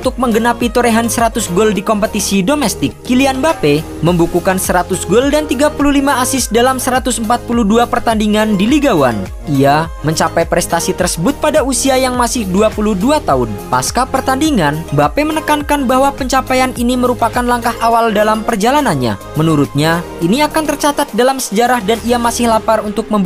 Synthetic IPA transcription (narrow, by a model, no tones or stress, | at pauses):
unt̪ʊk̚məŋɡənapit̪oɾeɦansəɾat̪ʊsɡɔldikɔmpət̪isidomɛst̪ɪkːilianbape | məmbukukansəɾat̪ʊsɡɔldant̪iɡapululimaːsɪsdalamsəɾat̪ʊsəmpat̪̚puluhduapərt̪andiŋandiliɡawa̰n | ʔiaməɲt͡ʃapajpɾɛst̪asit̪ərsəbʊt̪̚padausiajaŋmasɪhduapuluduat̪aʊnpa̰skapərt̪andiŋanbapemənəkankanbaɦwapəɲt͡ʃapajaniniməɾupakanlaŋkahawaldalampərd͡ʒalananɲa̰ | mənuɾʊt̪̚ɲa | iniakant̪ərt͡ʃat̪at̪̚dalamsəd͡ʒaɾahdaniamasɪhlaparunt̪ʊk̚məmb